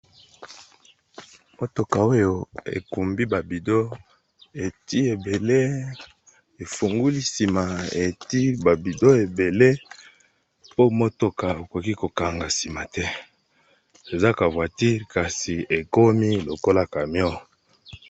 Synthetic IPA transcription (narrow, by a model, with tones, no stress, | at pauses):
mo˦to˨ka˨o˦jo˨ḛ˨ku˨mbi˦ba˨bi˨do˦ | e˨ti˦e˨be˨le˦ | e˨fu˨ŋɡu˦li˦si˨ma˨e˨ti˦ba˨bi˨do˦e˨be˨le˦ | po˦mo˦to˨ka˨o˨ko˨ki˦ko˨ka˨ŋɡa˨si˨ma˨tɛ˦ | e˨za˦ka˨vwa˨ti˦ʁka˨si˨e˨ko˦mi˦lo˨ko˦la˦ka˨mjɔ˦